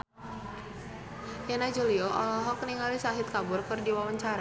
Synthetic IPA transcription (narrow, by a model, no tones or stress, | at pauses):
janad͡ʒoliɔʔɔlɔɦɔkniŋalisaɦɪt̪̚kabʊrkɨrdiwawaɲt͡ʃaɾa